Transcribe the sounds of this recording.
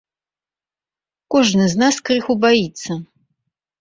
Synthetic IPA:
kʷɔʐnɨznaskrɨxubajit̪sɐ

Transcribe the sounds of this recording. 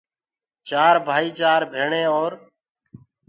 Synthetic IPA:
t͡ʃaːɾbʱaːiːt͡ʃaːɾbʱeːɳẽːoːɾ

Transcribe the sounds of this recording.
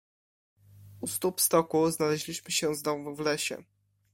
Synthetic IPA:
ust̪upst̪ɔkuznalɛʑlʲiɕmɘɕɛ̃znɔvuvlɛɕɛ̰

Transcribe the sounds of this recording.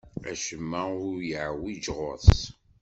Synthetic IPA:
æ̰ʃəmːæʊɾjəʕwid͡ʒʁo̰θ

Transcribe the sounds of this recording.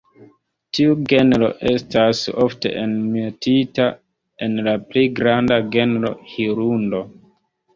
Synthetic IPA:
tiuɡe̞nɾo̞̰ʔe̞staso̞fte̞̰ʔenmetita | e̞nlaplejɡɾandaɡe̞nɾo̞̰hiɾundo̞

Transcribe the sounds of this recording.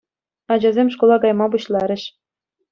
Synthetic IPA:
ɑd͡ʑɑzʲemʲʂkolˠɑɡɑjmɑbuɕlˠɑɾʲɘ̆ɕ

